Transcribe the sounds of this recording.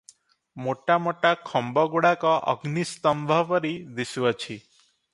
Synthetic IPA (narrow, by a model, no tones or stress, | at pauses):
moʈamoʈakʰɔmbɔɡuɽakɔʔə̰ɡnist̪ɔmbʱɔʋəɾid̪isʋɔt͡ʃʰi